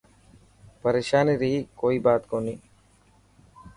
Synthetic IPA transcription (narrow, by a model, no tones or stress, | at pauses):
pəɾeːʃaːniɾiːkoːiːbaːt̪koːniː